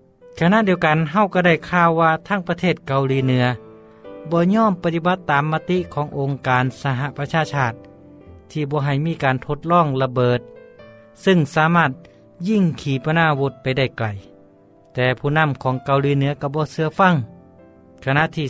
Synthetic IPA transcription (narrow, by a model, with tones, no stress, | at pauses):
kʰa˧na˧˨di˧əwka˨nɦa˧˩wka˧˩da˧˩jkʰaː˧˩wːaː˧t̪ʰaː˧˥˩ŋpa˧t̪ʰeː˧˩t̪̚ka˨˧wliː˧˦nɯ˩˧˦ɐ | bɔː˧ɲɔː˧˥˨mpt̪i˧˩ba˧˦t̪ːaː˨mːaː˧t̪i˧˥ʔkʰɔː˨˦ŋʔo˨˧ŋkaː˨nsa˧ɦa˧ʔpa˧t͡ɕʰaː˧sʰaː˧˥˩t̪̚ʰː | iː˧˩bɔː˧˦ɦa˨˩jmiː˧˥˨kaː˨nt̪ʰo˧t̪̚lɔː˧˥˩ŋla˧bɤː˨˩t̪̚ | sɯ˧ŋsaː˨˦maː˧˩t̪̚ | ji˧˩˨ŋkʰiː˨˦pa˧naː˧˨wo˧t̪̚pa˨jda˧˩jkla˨˩j | t̪ɛː˨˧pʰuː˧˩˨na˧˥˨mkʰɔː˨˦ŋka˨˧wliː˧˦nɯ˨˧˦ɐka˧˩bɔː˧˦sɯ˧ɐfa˧˥˨ŋ | kʰa˧na˧˨t̪ʰiː˧